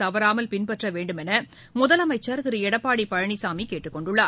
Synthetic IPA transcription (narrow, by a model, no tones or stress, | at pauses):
ɐʋɐɾaːmɐlpɪnpɐʈrɐʋeːɳɖɯmɛnɐ | mʊðɐlɐmɐɪt͡ʃːɐɾt̪ɪɾɯɛɽɐpːaːɽipɐɻɐɳisaːmikeːʈːɯkːɔɳɖɯɭːaːɾ